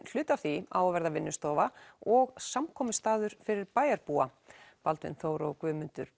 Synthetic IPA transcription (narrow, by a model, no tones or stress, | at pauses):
l̥ʏːt̪aθiaːwvɛɾðavɪnːʏst̪ɔːvaɔɣsamkʰɔːmʏst̪aːðʏɾ̥fɪɾɪɾpaːjaɾpua | palt̪vɪ̰nθoːwɾaɔkvʏːmʏnt̪ʏɾ̥